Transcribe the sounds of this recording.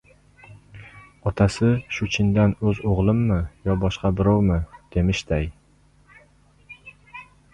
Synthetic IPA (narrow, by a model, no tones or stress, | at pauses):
ɒt̪ʰasɪʃʊt͡ʃʰɪnd̪anɵzoʁlˠɪmːɪjɒbɒʃqɑbɪɾɒwmɪd̪̥e̞mɪʃt̪aj